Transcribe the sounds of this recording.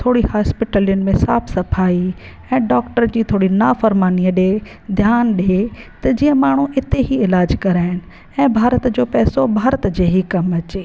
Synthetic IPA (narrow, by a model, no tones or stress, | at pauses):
t̪ʰoːɽihaːspɪʈəlijʊnɪ̆mẽsaːpʰsɐpʰaːi | ɛ̃ːɖɔːkʈəɾd͡ʑiːt̪ʰoːɽinaːfɐɾmaːniəɗe | d̪ʱjaːnɗet̪ɐd͡ʑiːə̃maːɳ̤uʔɪt̪eɦiɪlaːd͡ʑkɐɾaːɦɪnɪ̆ | ɛ̃ːbʱaːɾət̪d͡ʑoːpɛːsobʱaːɾət̪d͡ʑeːɦikɐmɐt͡ɕeː